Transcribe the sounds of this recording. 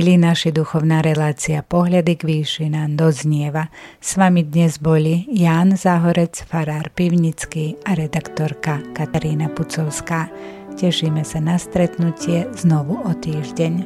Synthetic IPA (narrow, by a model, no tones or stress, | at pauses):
linaʃid̪uxɔʊnaːɾɛlaːt͡siapɔɦlad̪iɡʋiːʃinaːmd̪ɔzɲɪɛʋasʋamid̪ɲɛzbɔlijaːnzaɦɔɾɛt͡sfaɾaːɾpiʊɲit͡skiːaɾɛd̪akt̪ɔɾkakat̪aɾiːnaput͡sɔʊskaː | cɛʃiːmɛsanast̪ɾɛt̪nucɪɛznɔʋuɔt̪iːʒɟɛɲ